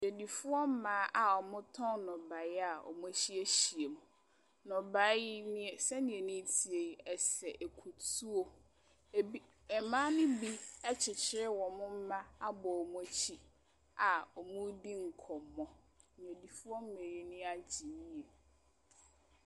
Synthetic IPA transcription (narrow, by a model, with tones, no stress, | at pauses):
ɲe˨di˨fʊ˦ɔ˦m̩˦mãː˨˦ʔa˨ɔ˨mʊ̃˦tʰɔ̃˦nnɔ̃˨ba˨˦a˨ɔ̰˨mũ˦t͡ɕi˦e˦ɕi˨e˨mũ˨ | nɔ̃˨ba˨˦nɪ̃˦ɛ˨sɛ˦nĩ˨ɛ˨nĩ˦tʰi˨e˨ɛ˨sɛ˨ʔe˨kʰu˨tʰu˦o˦˨˦ | ɛ˨mã˦nʊ̃˦bi˦ɛ˦t͡ɕʰɪ˨t͡ɕʰɪ˦ɾɪ˦wɔ̃˨mʊ̃˦m̩˦mã˦a˦bɔ˨ɔ˨m̃˦e˦t͡ɕʰi˦ | a˨ɔ˨mʊ̃˦di˦ŋ̩˨kʰɔ˨mːɔ̃˨ | e˨di˨fʊ˦ɔ˦m̩˦me˨ji˨nĩ˦a˨d͡ʑi˨ni˦je˨